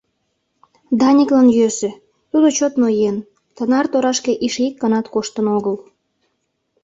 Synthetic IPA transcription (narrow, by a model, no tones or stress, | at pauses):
d̪ɑnʲiklɑnjøse | t̪ud̪ot͡ɕot̪nojen | t̪ənɑrt̪oɾɑʃkeʔiʃikːɑnɑt̪koʃt̪ənoɣəl